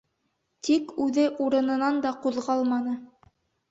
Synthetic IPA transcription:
t̪ikʉðɘʔuɾɤ̆nɤ̆nɑnd̪ɑquðʁɑlˠmɑnɤ

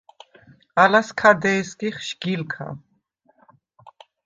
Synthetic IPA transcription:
alaskʰad̪ɛːskʼiχʃɡ̥ilkʰa̰

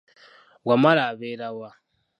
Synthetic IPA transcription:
wamalaβeɾawa

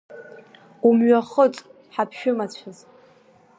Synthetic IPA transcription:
umɥaχət͡sʼ | ħapʰʃᶣʊmat͡ɕʷʰaz

